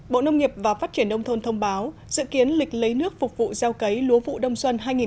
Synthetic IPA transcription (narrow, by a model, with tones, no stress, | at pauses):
ɓo̰˧˨nə˧wŋ͡mŋi˨˩əp̚vaː˨˩faː˦˥t̚t͡ɕi˧˩ənɗə˧wŋ͡mt̪ʰo˧nt̪ʰə˧wŋ͡mɓaː˨˦w | zɨ̰˧˨ki˨˦ənlï˨˩k̟̚lə˨˦jnɨ˦˥ək̚fʊ˨˩k͡p̚vṵ˧˨zaː˧wkə˨˦jlu˨˦vṵ˧˨ɗə˧wŋ͡mswə˧nɦaː˧jŋi˨˩